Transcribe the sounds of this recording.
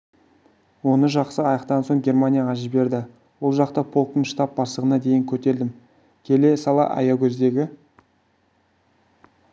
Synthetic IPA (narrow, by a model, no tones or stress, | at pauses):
wo̞nəʒɑqsəɑjɑqt̪ɑnso̞ɴɡʲe̞rmanʲijaʁɑʒɪbe̞ɾd̪ɪ | wo̞lˠʒɑqt̪ɑpʰo̞lˠt̪ənʃt̪ɑp̚bɑsˠəʁənɑd̪e̞jɪŋkʲʰɵt̪e̞ɾd̪ɪm | kʲʰe̞le̞sɑlˠɑ̰ʔɑ̰jɑkʲʰɵzd̪e̞ɡʲɪ